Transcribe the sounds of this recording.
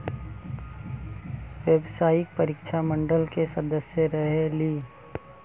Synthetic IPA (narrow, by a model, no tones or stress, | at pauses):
ʋeːbsaːjɪk̚pəɾikt͡ʃʰamə̃ɳɖəlkesəd̪əsjəɾəɦeliː